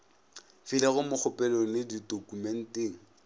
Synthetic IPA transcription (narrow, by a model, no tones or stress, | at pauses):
fɪlɛɣʊmʊk͡xʰʊpʼɛlɔnɪdidokumɛn̩teːŋ̩